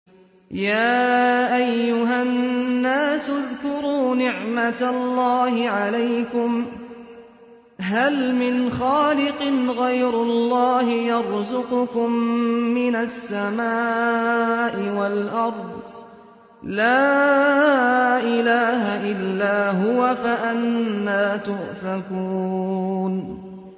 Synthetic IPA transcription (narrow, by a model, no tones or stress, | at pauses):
jaːʔajːʊɦanːaːsʊðkʊɾuːnɪʕmat̪alːɑːhɪʕalajkʊm | ɦalmɪnxaːlɪqɨnɣajɾʊlːɑːɦɪjɑɾˤzʊqʊkʊmːɪnasːamaː | ʔɪwalʔɑɾˤd̪ˤ | laː | ʔɪlaːɦaʔɪlːaːɦʊwafaʔanːaːt̪ʊʔfakuːn